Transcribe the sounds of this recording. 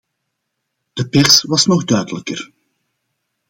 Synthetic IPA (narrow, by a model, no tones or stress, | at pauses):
d̥əpɛrsʋɑsnɔɣdœːdələkər